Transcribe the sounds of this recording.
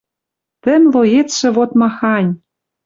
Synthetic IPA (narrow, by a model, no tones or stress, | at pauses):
t̪ɘ̆mʲloet̪ʃɘ̆βot̪mɑxɑnʲ